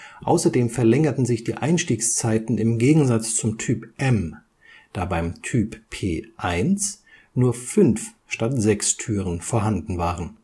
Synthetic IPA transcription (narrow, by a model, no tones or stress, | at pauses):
ʔa̰ʊsɐdeːmfɛɐlɛŋɐtn̩zɪçd̥iːʔaɪnʃtiːkst͡saɪtn̩ɪmɡeːɡŋ̩zat͡st͡sʊmtʰyːpʔɛm | d̥aːbaɪmtʰyːppʰeːʔaɪns | nuːɐfʏnf | ʃtatz̥ɛkstʰyːʁənfoːɐɦandn̩vaːʁən